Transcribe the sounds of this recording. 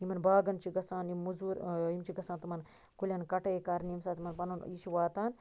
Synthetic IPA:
imɐnbaːɡɐnt͡ʃʰiɡɐsaːnimuzuːɾimt͡ʃʰiɡɐsaːnt̪umɐn | kulʲɐːnkɐʈejkaɾnimsaːt̪ʰimɐnpɐnuniʃiʋaːt̪aːn

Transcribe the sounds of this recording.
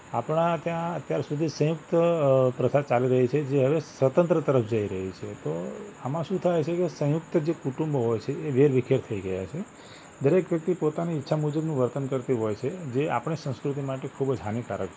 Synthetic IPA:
apɳat̪jãət̪jaɾsud̪ʱisə̃jʊk̚t̪əpɾəsad̪̚t͡ʃaliɾəɦit͡ʃʰed͡ʒeɦəʋesʋət̪ə̃nt̪ɾət̪əɾəfd͡ʒəiɾəɦit͡ʃʰet̪oamãʃũt̪ʰajt͡ʃʰekesə̃jʊk̚t̪əd͡ʒekuʈũmbɦojt͡ʃʰeeʋeɾʋikʰjeɾt̪ʰəiɡəja̰t͡ʃʰe | d̪əɾekʋjək̚t̪ipot̪aniːtːʃʰamud͡ʒəbnũʋəɾt̪ənkəɾt̪iɦojt͡ʃʰed͡ʒea̰pɳ̃isə̃skɾut̪imaʈekʰubd͡ʒɦanika̰ɾək

